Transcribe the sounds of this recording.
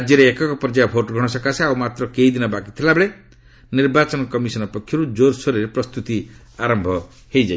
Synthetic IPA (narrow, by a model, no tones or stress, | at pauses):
d͡ʒjɔɾeːkɔkɔpɾd͡ʒaɔbʱoʈɔɡʱɔɽ̃ɔsɔkasaawmat̪ɾɔkeid̪inɔbakit̪ʰilabeɭe | niɾbat͡ʃɔnɔkɔmisɔnɔpɔkʰːjɔɾud͡ʒoɾsoɾeɾepɾɔst̪ut̪i | aɾɔmbʱɔ | hejd͡ʒaj